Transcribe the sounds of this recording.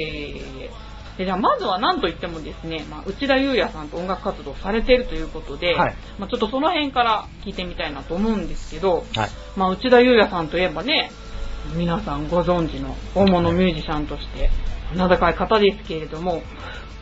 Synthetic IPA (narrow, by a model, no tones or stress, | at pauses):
e | d̪ed͡ʑaːmazɨβanãnt̪o̞it̪ːe̞mo̞d̪e̞sɨne̞maʔɯ̟t͡ɕid̪ajɯ̟ːjasãnt̪o̞õ̞ŋɡakɯ̟kːat͡sɨd̪o̞ːsaɾe̞t̪e̞ɾɯ̟t̪o̞jɯ̟ːko̞t̪o̞d̪e̞ | mat͡ɕo̞t̪ːoso̞no̞hẽ̞ŋkaɾakʲiːt̪e̞mʲit̪ainat̪o̞ːmo̞ɯ̟̃nd̪e̞sɨ̥ke̞d̪o̞ | maːɯ̟t͡ɕid̪ajɯːjasãnt̪o̞jebane̞ | mʲinasãŋɡo̞zõ̞ɲ̟d͡ʑino̞̰ | oːmo̞no̞mʲɨːʑiɕãnt̪o̞ɕi̥t̪e̞nad̪akaikat̪ad̪e̞sɨ̥ke̞ɾe̞d̪o̞mo̞